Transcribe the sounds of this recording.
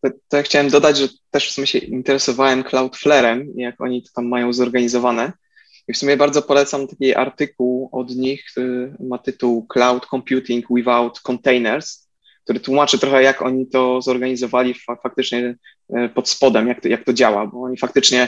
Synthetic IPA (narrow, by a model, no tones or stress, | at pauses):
t̪ɔt̪ːɔjakxt͡ɕawɛmd̪ɔd̪ad͡ʑʐɛt̪ɛʂfsumʲɛɕɛint̪ɛɾɛsɔvawɛmklawt̪flɛɾɛmijakɔ̰ɲit̪ɔ̥t̪amːajɔ̃w̃zɔɾɡaɲizɔvanɛ | ifsumʲjɛbaɾd̪zɔpɔlɛt̪samt̪akʲiʔa̰ɾt̪ɘkuwɔd̪ɲixmat̪ɘt̪uwklawt̪kɔmpʲjut̪ʲiŋkwivawt̪kɔnt̪ɛjnɛɾs | k̚t̪uɾɘt̪wumat͡ʂɨt̪ɾɔxɛjakɔɲit̪ɔzɔɾɡaɲizɔvalʲiffak̚t̪ɘt͡ʂɲɛ | pɔt̪spɔd̪ɛmjakt̪ɔjak̚t̪ɔd͡ʑawa̰bɔɔɲifak̚t̪ɘt͡ʂɲɛ